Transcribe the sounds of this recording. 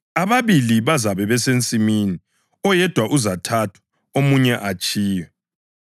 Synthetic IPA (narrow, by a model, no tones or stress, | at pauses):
aβaβiliβazaβɛβɛsent͡sʼimini | ɔjɛd̥ʱwaʔuzatʰatʰwḁ | omuɲɛʔat͡ʃʼiːjɛ